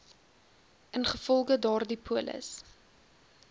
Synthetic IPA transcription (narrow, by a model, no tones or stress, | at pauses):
ʔənχəfɔlˠɣədɑːrdipʰuələ̰s